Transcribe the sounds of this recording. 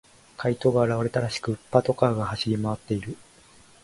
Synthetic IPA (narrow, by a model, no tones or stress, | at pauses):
kʰait̪o̞ɡaːɾaβaɾe̞t̪aɾaɕi̥kɯ̟ɯ̟pːat̪o̞kaːɡahaɕiɾʲimaβ̞at̪ːe̞iɾɯ̟